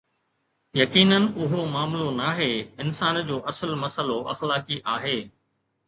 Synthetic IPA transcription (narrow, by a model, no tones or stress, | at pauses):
jɐkiːnənʊɦomaːmlonaːɦeːɪnsaːnd͡ʑoːʔɐsəlmɐsəloʔɐ̰xlaːkiʔaːɦeː